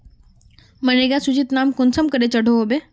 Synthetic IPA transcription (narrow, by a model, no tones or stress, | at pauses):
məneɡjasut͡ɕit̪naːmkʊnsəmkəɾet͡ɕəɽʱoɦobe